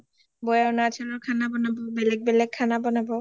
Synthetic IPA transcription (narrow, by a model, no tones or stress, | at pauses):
bojawnat͡ʃʰanɔkʰanabɔnabʱobelek̚belekʰːanabɔnabʱo